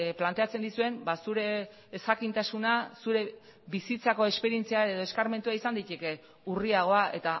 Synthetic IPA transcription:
plant̪e̞at͡se̞nd̪isue̞mbasuɾe̞ː | sxakint̪asunasuɾe̞ | βisit͡sako̞e̞spe̞ɾie̞nt͡siaeð̞o̞e̞skaɾme̞nt̪uaisand̪ijt̪eke̞ | uriaɣ̞o̞aʔe̞t̪a

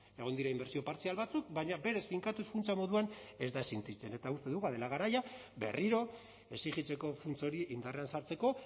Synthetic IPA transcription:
e̞ɣ̞o̞nd̪iɾaimbe̞ɾsio̞paɾt͡sialβat͡suk̚baɲabe̞ɾe̞sfiŋkat̪usfunt͡samo̞ðuane̞zd̪asint̪it͡se̞ne̞t̪aust̪e̞ðuɣað̞elaɣ̞aɾaja | be̞̰riɾo̞ | e̞sixit͡se̞ko̞funt͡so̞ɾiʔind̪are̞ansaɾt͡se̞ko̞

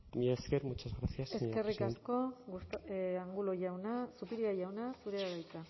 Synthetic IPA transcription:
miaskeɾmut͡ʃazɣɾasiaseske̞rikasko̞ɡust̪aŋɡuloʝawnasupiɾiaʝawnasuɾeaɣajt͡sa

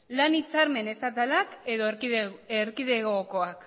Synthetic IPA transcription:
lanit͡saɾme̞ne̞sat̪̬alakeðoeɾkiðe̞ɣoko̞ak

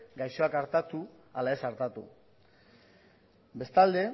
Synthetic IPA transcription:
ɡajso̞akaɾt̪at̪u | alae̞saɾt̪at̪ṵ | be̞st̪ald̪e̞

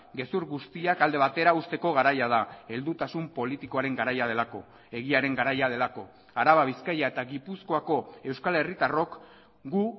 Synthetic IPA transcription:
ɡe̞suɾɣust̪iakald̪e̞β̞at̪e̞ɾaust̪e̞ko̞ɣaɾajað̞ae̞ld̪ut̪asumpo̞lit̪iko̞aɾe̞ŋɡaɾajað̞e̞lako̞ | e̞ɣ̞iaɾe̞ŋɡaɾajað̞e̞lako̞ | aɾaβaβ̞iskajae̞t̪aɣipusko̞ako̞e̞wskale̞rit̪aro̞k | ɡu

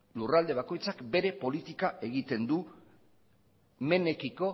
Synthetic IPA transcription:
lurald̪e̞βako̞jt͡sakbe̞ɾe̞po̞lit̪ikaʔe̞ɣit̪e̞nd̪u | me̞ne̞kiko̞

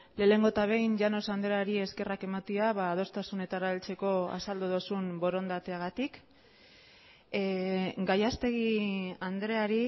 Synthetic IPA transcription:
le̞ːle̞ŋɡo̞t̪aβ̞e̞jnʝano̞sand̪ɾeaɾie̞ske̞rake̞mat̪iaβaːð̞o̞st̪asune̞t̪aɾaelt͡se̞ko̞a̰sald̪oðosumbo̞ɾo̞nd̪at̪e̞aɣat̪ik | ɡajast̪e̞ɣ̞iand̪ɾe̞aɾi

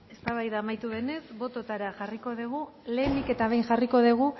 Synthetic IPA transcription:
e̞st̪aβajðaːmajt̪uðe̞ne̞sbo̞t̪o̞t̪aɾaʝariko̞ðeɣ̞ule̞ːmike̞t̪aβe̞jnʝariko̞ð̞eɣ̞u

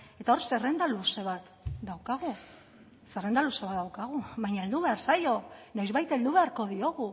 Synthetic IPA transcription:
e̞t̪ao̞ɾse̞re̞nd̪aluse̞β̞at̪ | d̪awkaɣ̞u | se̞re̞nd̪aluse̞βat̪̚d̪awkaɣ̞uβaɲaeld̪uβe̞aɾsajo̞no̞jzβajt̪eld̪uβ̞e̞aɾko̞ðio̞ɣ̞u

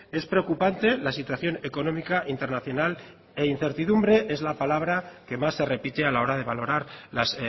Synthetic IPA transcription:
e̞spɾe̞o̞kupant̪e̞lasit̪waθjo̞ne̞ko̞nõ̞mikaʔint̪e̞ɾnaθjo̞nal | e̞in̟θe̞ɾt̪iðumbɾe̞ʔe̞zlapalaβ̞ɾake̞masːe̞re̞pit̪e̞alao̞ɾað̞e̞β̞alo̞ɾaɾlas

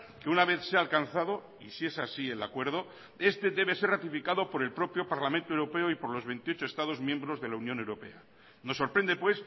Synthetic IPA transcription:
keunaβe̞θseaːlkanθaðo̞ | isie̞sasielakwe̞ɾð̞o̞ | e̞st̪e̞ðe̞βe̞se̞rrat̪ifikaðo̞po̞ɾe̞lpɾo̞pɾjo̞paɾlamẽnt̪oe̞wɾo̞pe̞oipo̞ɾlo̞zβe̞nt̪io̞t͡ʃo̞e̞st̪að̞o̞zmjembɾo̞zðe̞launjone̞wɾo̞pe̞̰a | no̞sːo̞ɾpɾe̞nd̪epwe̞s

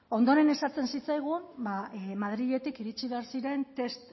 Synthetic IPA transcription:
o̞nd̪o̞ɾe̞ne̞sat͡se̞nsit͡sajɣ̞umbamaðɾiʎe̞t̪ikiɾit͡siβe̞aɾsiɾe̞nt̪e̞st̪

